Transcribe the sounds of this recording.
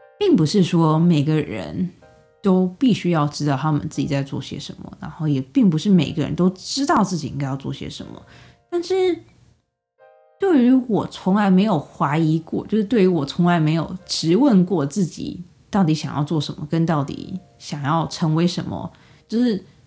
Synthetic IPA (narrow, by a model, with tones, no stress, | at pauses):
pi˥˩ŋpu˧˥ʂɻ̩˥˩ʂwɔ˥me˨˩ɪɡə˧˦ɻə̰˧˥n | t̪o˥ʊpi˥˩ɕy˥jɑ˥˩ʊʈ͡ʂɻ̩˥t̪ɑ˥˩ʊt̪ʰa˥mə̰˨nt͡sɹ̩˥˩t͡ɕḭ˨˩t͡sa˥˧ɪt͡swɔ̰˥˩ɕjɛ̰˧˥ʂə̰˧˥nmə̰˨na˧˥nxo˥˩jɛ˨˩pi˥˩ŋpu˧˥ʂɻ̩˥˩me˨˩ɪ˥ɡə˧ɻə̰˧˥nt̪o˥ʊʈ͡ʂɻ̩˥t̪ɑ˥˧ʊt͡sɹ̩˥˩t͡ɕi˨˩˦ḭ˥ŋka˥ɪjʊt͡swɔ˥˩ɕjɛ̰˥ʂə̰˧˥nmə̰˧ | t̪a˥˧nʂɻ̩˥˩ | t̪we˥˩ɪy˧˥wɔ˨˩t͡sʰʊ˧˥ŋla˧˥ɪme˧˥ɪjo˨˩ʊxwa˧˥i˧˥kwɔ̰˥˧˨t͡ɕjo˥˧ʊʂɻ̩˥t̪we˥˩ɪy˧˥wɔ˨˩t͡sʰʊ˧˥ŋla˧˥ɪme˧˥ɪjo˨˩ʊʈ͡ʂɻ̩˧˥wə˥˧nkwɔ˥˧t͡sɹ̩˥˩t͡ɕḭ˨˩˦ | t̪ɑ˥˩ʊt̪i˧˥ɕjɑ˨˩ŋjɑ̰˥˧ʊt͡swɔ˥˩ʂə̰˧˦˥nmə̰˧kə˥nt̪ɑ˥˩ʊt̪ḭ˨˩˦ | ɕjɑ˨˩ŋjɑ˥˩ʊʈ͡ʂʰɤ˧˥ŋwe˧˥ɪʂə˧˥nmə̰˧ | t͡ɕjo˥˧ʊʂɻ̩˥˩